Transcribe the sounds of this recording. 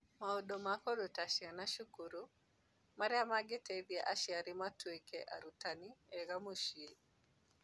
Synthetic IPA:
maodomakɔdotaʃjanaʃukuɾu | maɾjamaɡɪtebjaʔaʃiaɾɪmatwekeʔa̰ɾutanieɡamoʃie

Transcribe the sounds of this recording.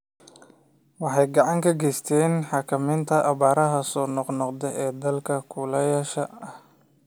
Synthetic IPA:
wɑħɑjɡɑʕɑŋkʰɐɡɛjst̪ʰɛːnħɑːkʰɐmɪnt̪ʰɐʔɐβaːɾɐɦɐsɔːnɔqnɔqd̪ɛʔɛːd̪ɐlkʰɐkʰʊlɐjɐʃɐɐh

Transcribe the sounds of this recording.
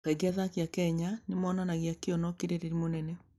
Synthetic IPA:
ɛɡiaðakjakɛɲanemɔːnanaɣjakeɔnɔkeɾeɾeɾimonɛnɛ

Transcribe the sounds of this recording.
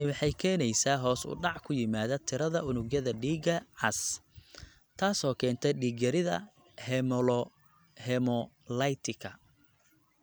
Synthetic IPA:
wɑħɑjkʰɛːnɛjsaːɦɔːsʊ̰ɖɑʕkʰʊjɪmaːðɐt̪ʰɪɾɐðɐʔʊnʊɣjɐðɐɖiːɡɐʕɑs | t̪ʰaːsɔːkʰɛːnt̪ʰɛɖiːɡɐɾɪðɐ̰ | hɛml | hɛmɔ | lɐjt̪ʰɪkʰɐ

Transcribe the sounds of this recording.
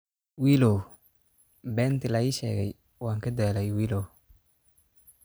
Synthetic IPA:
wiːlɔw | bɛːnt̪ʰɪlɐiːʃɛ̰ːɣɛ̰j | waːŋkʰɐd̪ɛːlɛjwiːlɔ

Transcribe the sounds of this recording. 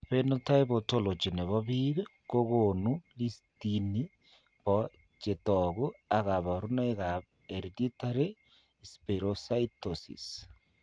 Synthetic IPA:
βenotaeβotolot͡ʃeneβɔβiβekoɣonulistini | βɔ | t͡ʃetɔɣuaɣaβaɾunaeɣaβ | eɾditaɾe | speɾosaitosḭs

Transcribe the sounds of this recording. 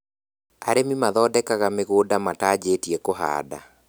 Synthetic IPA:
a̰ɾemimaðɔːdɛkaɣameɣoːdamataːd͡ʑeːtiɛkoɦa̰ːda̰

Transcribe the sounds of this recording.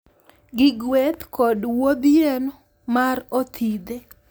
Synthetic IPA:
ɡɪɡwet̪kɔdwod̪jeno | marot̪ʰid̪e

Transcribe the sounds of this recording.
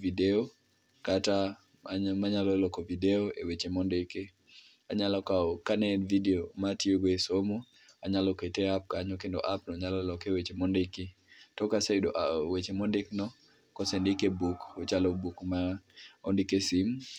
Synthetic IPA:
video | kata | maɲalɔlɔkɔvideɔḛwet͡ʃemɔndeki | aɲalɔkaɔkanɛlvideomatioɡesomo | aɲalɔketeap̚kaɲɔkendɔ̰ʔapnɔɲalɔlɔkewet͡ʃemɔndeki | tɔkasedɔʔawet͡ʃemɔndɪknɔ | kɔsendɪkebukɔt͡ʃalɔbukmaɔndikesim

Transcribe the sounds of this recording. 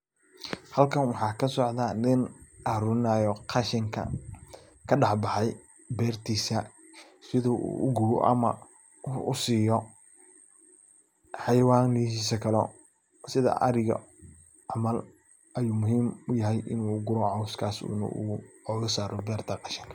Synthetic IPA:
hɐlkʰɐnwɑħɑːkʰɐsɔʕd̪anɪnʔɐhɾʊɪnaːjɔqʰɑʃɪŋkʰɐ̰ | kʰɐɖɑħbɑħɑj | bɛːrt̪ʰiːsɐ | sɪðuʔṵːʊɡuw̰ʔɐ̰mɐ | ʊsiːjɔ | ħɑjwaːniɦiːsɐkʰɐlɔ̰ | sɪðɐ̰ʔɐ̰ɾɪɣɔ̰ | ʕɑmɐl | ʔɐjuːmʊɦiːmʊjɐɦɛjʔɪ̰nuːɡʊɾɔʕɑwskʰaːsṵːnɐ̰uɔːɣɐsaːɾʔɔbɛːrt̪ʰɐqɑʃɪŋkʰɐ

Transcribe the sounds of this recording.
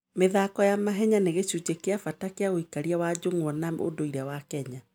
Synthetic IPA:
meðakɔjamaɦɛɲaneɣeɕud͡ʑekeafatakeaɣoikaɾiawad͡ʑoŋwɔnao̰doiɾawakɛɲa

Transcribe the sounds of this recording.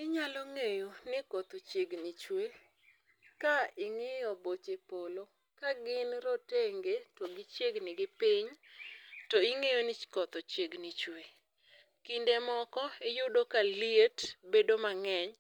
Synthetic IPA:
ɪɲalɔŋejonɪkɔt̪ot͡ʃeɡnit͡ʃwe | kaɪŋɪjɔbot͡ʃepolo | kaɡɪnɾoteŋɡetɔɡɪt͡ʃjeɡnɪɡɪpiɲ | tɔɪŋejonɪkɔt̪ot͡ʃeɡnit͡ʃwe | kindemɔkɔɪjʊdokalietbedomaŋɛɲ

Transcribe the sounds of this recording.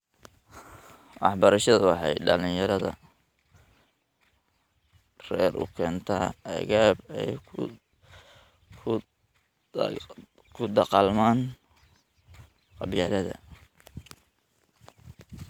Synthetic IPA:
ʔɑħbɐɾɐʃɐðɐwɑħɑjɖɐlɪjɐɾɐðɐ̰ | rɛːrʊ̰kʰɛːnt̪ʰaːɐɣaːbɛjʰ | kʰʊd̪ɑqɑlmaːn | qɑβjaːlɐðɐ̰

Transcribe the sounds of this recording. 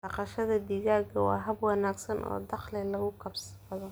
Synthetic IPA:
d̪ɑqɑʃɐðɐd̪iːɣaːɡɐwɑ̰ːɦɐbwɑnaːɡsɐnʔɔ̰ːd̪ɑχlɛlɐɣʊkʰɐbsbɐðɔ

